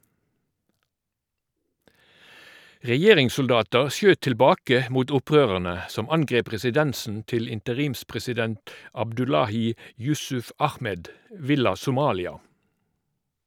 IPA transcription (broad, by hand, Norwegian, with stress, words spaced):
ʁɛˈjeːʁɪŋsʊlˌdɑːtəʁ ˈsjøːt tɪlˈbɑːkə ˈmuːt ˈʊˌpʁøːʁəʁnə ˈsɔm ˈɑnˌɡʁeːp ʁɛsɪˈdɛnsn̩ ˈtɪl ɪntəˈʁiːmspʁɛsɪˌdɛnt ɑbdʉˈlɑːˌhiː ˈjʉsʉf ˈɑxˌmɛd ˈʋɪlɑ sʊˈmɑːlɪɑ